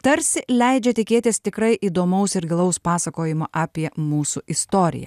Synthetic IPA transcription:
t̪ɐɾʲsʲɪlʲɛɪd͡ʒʲɛt̪ʲɪkʲeːt̪ʲɪst̪ʲɪkɾɐɪʔiːd̪oːmɐʊsɪɾɡʲɪlˠɐʊspɑːsɐkoːjɪmoːʔɑːpʲiɛmuːsuʔɪst̪oːɾʲɪ̰jɛ̰

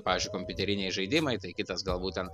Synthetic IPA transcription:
pɑːʋʲɪːzʲd͡ʒʲʊɪkomʲpʲʊt̪ʲɛɾʲɪnʲɛɪʒɐɪd̪ʲɪmɐɪt̪ɐɪkʲɪt̪ɐsɡɐlˠbuːt̪̚ʲt̪ʲɛn

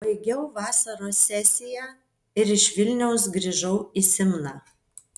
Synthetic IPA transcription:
bɐɪɡʲɛʊʋɑːsɐɾoːsʲɛsʲɪjæː | ɪɾɪʃʋʲɪlʲnʲɛʊs̬ɡɾʲiːʒɐʊisʲɪmnɑː

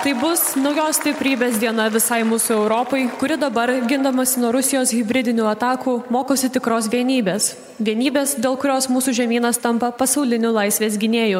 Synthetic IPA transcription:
t̪ɐɪbʊsnɒʊjoːssʲt̪ʲɪpʲɾʲiːbʲeːs̬d̪ʲiɛnɐʋʲɪsɐɪmuːsuɛʊɾoːpɐɪkʊɾʲɪd̪ɐbɐɾɡʲɪnd̪ɐmɐsʲɪnuɔɾʊsʲɪjoːsɣʲɪbʲɾʲɪd̪ʲɪnʲuːɐt̪ɑːkuːmoːkoːsʲɪt̪ʲɪkɾoːsʋʲiɛnʲiːbʲeːs | ʋʲiɛnʲiːbʲeːsd̪ʲeːlˠkʊɾʲoːsmuːsuːʒʲɛmʲiːnɐst̪ɐmpɐpɐsɐʊlʲɪnʲʊlˠɐɪsʲʋʲeːs̬ɡʲɪnʲeːjʊ

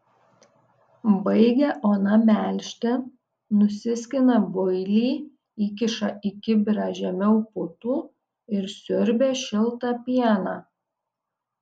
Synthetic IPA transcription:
bɐɪɡʲɛʔoːnɐmʲæˑlʲʃʲt̪ʲɛ | nʊsʲɪsʲkʲɪnɐbʊɪlʲiː | iːk̬ʲɪʃɐʔɪkʲɪbʲɾɑʒʲɛmʲɛʊpʊt̪uː | ɪɾsʲʊɾʲbʲeːʃʲɪlˠˑt̪ɑpʲiɛnɑː

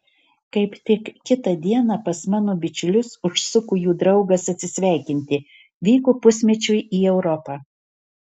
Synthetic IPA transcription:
kɐɪpt̪ʲɪkkʲɪt̪ɐd̪ʲiɛnɑpɐsmɑːnoːbʲɪt͡ʃʲʊlʲʊsʊʃsʊkuːjuːd̪ɾɒʊɡɐsɐt̪ʲsʲɪsʲʋʲæˑɪkʲɪnʲt̪ʲɪ | ʋʲiːkoːpʊsʲmʲɛt͡ʃʲʊjiːɛʊɾɔpɑː

